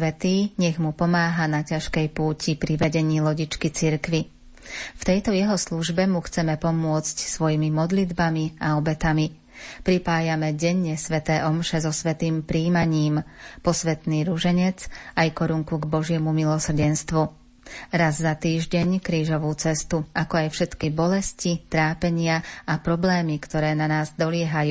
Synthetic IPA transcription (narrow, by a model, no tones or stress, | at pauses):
ʋɛt̪iːɲɛɣmupɔmaːɦanacaʃkɛjpuːcʰipɾiʋɛɟɛɲiːlɔɟit͡ʃkit͡siɾkʋi | ft̪ɛjt̪ɔjɛɦɔsluʒbɛmuxt͡sɛmɛpɔmʊɔt͡scsʋɔjimimɔd̪lid̪bamiaɔbɛt̪ami | pɾipaːjamɛɟɛɲːɛsʋɛt̪ɛːʔɔmʃɛzɔsʋɛt̪iːmpɾiːmaɲiːmpɔsʋɛt̪niːɾuʒɛɲɛt͡sajkɔɾuŋkuɡbɔʒɪɛmumilɔsr̩ɟɛnst̪ʋu | ɾazzat̪iːʒɟɛɲkɾiːʒɔʋuːt͡sɛst̪uakɔajfʃɛt̪kibɔlɛscit̪ɾaːpɛɲɪaapɾɔblɛːmikt̪ɔɾɛːnanaːzd̪ɔlɪɛɦajuː